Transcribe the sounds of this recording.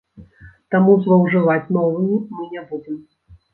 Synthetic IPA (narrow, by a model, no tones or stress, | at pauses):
t̪amuzvɐwʐɨvat͡sʲnɔvɨimɨnʲɛbud͡zʲɛm